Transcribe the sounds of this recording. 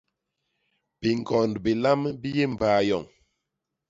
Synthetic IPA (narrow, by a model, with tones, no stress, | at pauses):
b̥i˨ŋkɔ˨ndbi˨la˦mbi˦je˦m̩˨baː˨˦˨jɔ˨ŋ